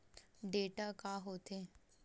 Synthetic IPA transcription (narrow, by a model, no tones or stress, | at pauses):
ɖeːʈakaɦoːt̪eː